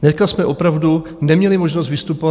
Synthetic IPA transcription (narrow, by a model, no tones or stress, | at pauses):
nɛskasmɛʔo̞pɾavdu | nɛmɲɛlɪmoʒnost̪vɪst̪upova